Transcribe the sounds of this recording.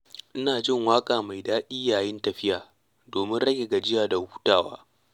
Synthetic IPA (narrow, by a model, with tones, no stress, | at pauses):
ʔɪ˦naː˨d͡ʒɪ˦˨ŋwaː˦kʼaː˨ma˨jdaː˦ʔʲi˦jaː˨jɪ˦ntɐ˨ɸɪ˦jaː˨ | doː˨mɪ˦nɽɐ˦ɡʲe˨ɡa˨d͡ʒɪ˦jaː˨da˨huː˦taː˨wa̰ː˦